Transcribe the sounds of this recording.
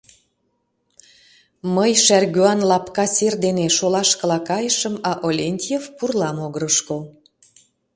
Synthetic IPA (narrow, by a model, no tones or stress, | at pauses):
məjʃærɣyɑnlɑpkɑserd̪eneʃolɑʃkə̆lɑkɑjəʃəmɑʔolʲenʲt̪ʲjefpurlɑmoɣəɾəʃkol